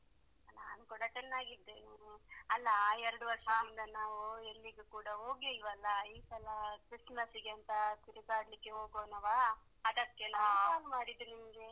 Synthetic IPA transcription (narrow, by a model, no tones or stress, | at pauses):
na̰ːnukuɽɐt͡ʃɐnːaːɡid̪ːeːniːniɐlːɐɛɾɐɽuʋɐɾʂɐɐmd̪ɐnaːʋuelːiɡekuːɽɐɦo̞ːɡeilʋɐlːɐiːsɐlɐkɾismɐsiɡeɐnt̪ɐt̪iɾit̪aːɽlikːeɦoːɡoːnɐʋa | ɐd̪ɐt̪̚kːenaaːlmaːɽid̪unimɐɡe̞